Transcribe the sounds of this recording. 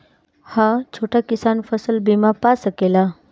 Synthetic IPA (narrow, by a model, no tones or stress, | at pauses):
hãt͡ʃʰoːʈʰakɪsaːnfʰəsəlbimapasəkeːla